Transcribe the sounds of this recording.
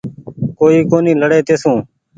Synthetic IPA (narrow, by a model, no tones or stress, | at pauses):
koːiːkoːniːləɽeːt̪eːsũː